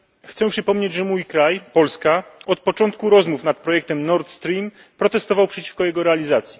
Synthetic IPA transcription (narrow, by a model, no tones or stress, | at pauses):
xt̪sɛpʂɘpɔmɲed͡ʑʐɛmujkɾajpɔlskaɔt̪̚pɔt͡ʂɔnt̪̚kuɾɔzmufnat̪̚pɾɔjɛk̚t̪ɛmnɔɾt̪st̪ɾʲim | pɾɔt̪ɛst̪ɔvawpʂɛt͡ɕi̥fkɔjɛɡɔɾɛalʲizat̪sʲji̥